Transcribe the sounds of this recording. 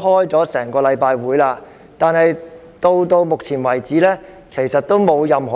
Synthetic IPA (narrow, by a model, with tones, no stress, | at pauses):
ɦɔː˥jt͡sɔː˨˥sɛː˨˩ŋkɔː˧lɐ˨˧jpaː˧jwuː˨˥jlaː˧ | t̪aː˨nhɐ˨j | t̪o˧wt̪o˧wm˨k̚t͡sʰiː˨˩nwɐ˨˩jt͡siː˨˥lɛː˥ | kʰe˨˩jsɐ˨t̚t̪ːo˥wmo˨˧wjɐ˨mɦɔː˨